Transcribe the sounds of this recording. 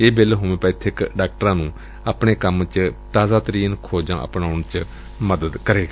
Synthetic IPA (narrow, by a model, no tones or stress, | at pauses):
eːbɪlɦoːʋẽːpaːiːt̪ʰɪkɖaːk̚ʈəɾãːnũː | əːpɳeːkəmt͡ʃt̪aːzaːt̪əɾiːnkʰoːd͡ʒãːʔə̰pɳaːʊɳt͡ʃ | məd̪əd̪kəɾeːɡ